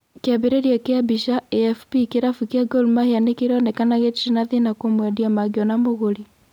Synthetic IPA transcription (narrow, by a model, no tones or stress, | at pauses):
keaβeɾeɾiakeabiʃaeɛfpikeɾafukeaɡolmahianekeɾɔnɛkanaɣetʃinaðinakomwɛdiamaɣeɔnamoɣoɾi